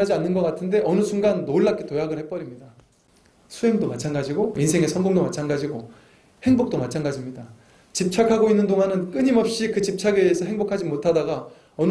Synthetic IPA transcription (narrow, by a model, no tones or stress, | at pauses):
ad͡ʑianːɯnɡʌk͈atʰɯnde̞ʔʌnɯsʰuŋɡanːouɭːak͈etojaɡɯɭhe̞p͈ʌɾimɲida | sʰuemdomat͡ɕʰanɡad͡ʑiɡoinsʰe̞ŋe̞sʰʌnɡoŋdomat͡ɕʰanɡad͡ʑiɡo | he̞ŋbok̚t͈omat͡ɕʰanɡad͡ʑimɲida | t͡ɕip̚t͡ɕʰakʰaɡoinːɯndoŋanɯnk͈ɯɲimʌp̚ɕ͈ikɯt͡ɕip̚t͡ɕʰaɡeːsʰʌɦeŋbokʰad͡ʑimotʰadaɡa | ʌn